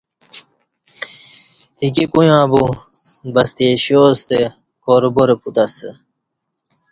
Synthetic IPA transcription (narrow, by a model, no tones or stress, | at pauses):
hikikujãːbu | bɐst̪eːɕoːst̪e | koɾuboɾeput̪ɐsə